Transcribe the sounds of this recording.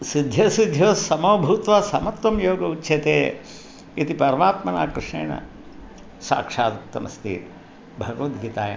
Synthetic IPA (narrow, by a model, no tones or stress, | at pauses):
sid̪ʱjɐsid̪ʱjɐːsɐmoːbʱuːt̪ʋaːsɐmɐt̪ʋɐmjoːɡɐutːʃʰeːt̪eː | it̪ipɐɾɐmaːt̪mɐnaːkɾɨʂɳḛːnɐ̰ | sa̰ːkʂaːt̪ɐk̚t̪ːɐmɐst̪ḭː | bʱɐɡɐʋɐt̪ɡʱiːt̪aːjɐ̰m